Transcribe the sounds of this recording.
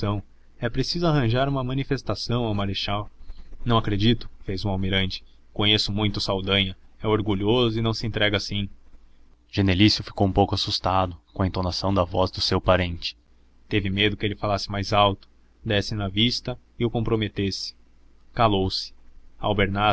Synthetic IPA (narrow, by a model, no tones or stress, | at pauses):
ɐ̃w̃ | ɛpɾesizʊaɦɐ̃ʒaɾũmɐmɐ̃nifest̪asɐ̃w̃awmaɾeʃawnɐ̃w̃akɾed͡ʒit̪ʊ̥fejzũawmiɾɐ̃nt͡ʃɪ̥ | kõɲesʊmũj̃t̪ʊsawd̪ɐ̃ɲɐɛoɾɡuʎozʊɪnɐ̃w̃sɪẽnt̪ɾɛɡɐasĩ | ʒenelisjʊfi̥kowũpowkasust̪ad̪ʊkõɐẽt̪onasɐ̃w̃d̪ɐvɔzd̪ʊsewpaɾẽnt͡ʃɪ̥ | t̪evɪmed̪ʊkɪelɪfalasɪ̥majzawt̪ʊ̥ | d̪ɛsɪnɐvist̪ɐ | ɪʊkõmpɾomet̪esɪ̥ | kalowsɪ̥a̰wbeɾna